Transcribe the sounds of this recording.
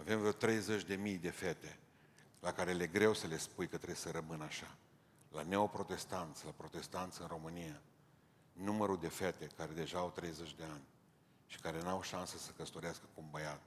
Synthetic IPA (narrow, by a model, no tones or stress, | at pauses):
ave̞mt̪ɾe̞jzet͡ʃʲd̪e̞mijd̪e̞fe̞t̪e̞ | lakaɾele̞ɡɾe̞wsəle̞spujkət̪ɾebsəɾəmɨnaʃa | lane̞o̞pɾo̞t̪e̞st̪ant̪sʲlapɾo̞t̪e̞st̪ant̪sɨnro̞mɨnija | numəɾud̪e̞fe̞t̪e̞kaɾe̞d̪e̞ʒaːwt̪ɾe̞jzet͡ʃʲd̪e̞anʲ | ʃi̥kaɾe̞nawʃansəsəkəst̪o̞ɾeaskə̥kumbəjat̪